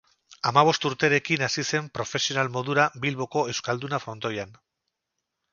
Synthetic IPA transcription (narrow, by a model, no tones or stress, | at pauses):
amaβ̞o̞st̪uɾt̪e̞ɾe̞kinasise̞mpɾo̞fe̞sio̞nalmo̞ðuɾabilβo̞ko̞e̞wskald̪unafɾo̞nt̪o̞jan